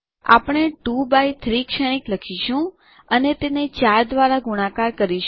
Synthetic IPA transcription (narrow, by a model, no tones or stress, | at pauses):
a̰pɽ̃eʈubajt̪ʰɾikʃəñikləkʰiʃũ | ənet̪enet͡ʃaɾd̪ʋaɾaɡuɽ̃ãkaɾkəɾiʃ